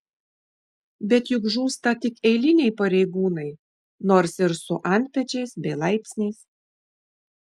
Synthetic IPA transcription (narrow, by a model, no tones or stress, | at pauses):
bʲɛt̪jʊkʒuːst̪ɐt̪ʲɪkɛɪlʲɪnʲɛɪpɐɾʲɛɪɡuːnɐɪ | noːɾsɪɾsʊʔɐnʲt̪̚ʲpʲɛt͡ʃʲɛɪsbʲɛɪlˠɐɪpʲsʲnʲɛɪs